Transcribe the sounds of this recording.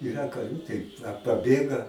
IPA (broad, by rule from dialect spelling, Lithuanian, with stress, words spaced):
ɪˈrɐ kɐˈrʲuː tɐɪ ɐ pɐˈbʲeːɡɐ